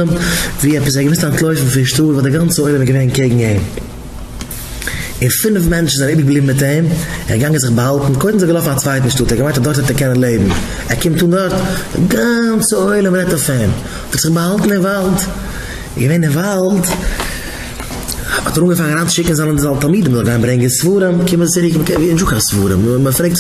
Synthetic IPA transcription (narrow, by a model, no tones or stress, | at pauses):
əmviːɛpəs̬ɛɡəmɪstantlˠoɪfn̩fɪʃtuːɾvɔːdɪɡant͡səoɪlˠəmɛɡəveɪnkeɪɡŋ̩em | ɪnfɪnəfmɛnt͡ʃn̩zaɪnɪːbɪɡblˠiːbmɪt̬eɪmɛ̰ɾɡaŋəzɪχbəhalˠtn̩koɪtn̩zɪɡəlˠɔfnat͡svaɪt̬n̩ʃtuːtɛɾɡəmaɪntɔdɔɾthɔtɛɾkɛnənlˠeɪbm̩ | ɛɾkɪmtːuːndɔɾtdɪ̰ɡant͡səoɪlˠəmɾɛtɔfɛm | ɔtɪtz̥ɪχbəhalˠtn̩ɪnvalˠt | ɡəveɪnɪnvalˠt | hɔ̰təɾuːŋɡəfaːɾɾaːnʃɪkŋ̩zalˠənzalˠtalˠmiːdəmzɔɡaɪnbɾɛŋɡənsvuːɾəmkɪmət͡sɪɾɪkmkinʒʊkasvuːɾəmməfɾeɪt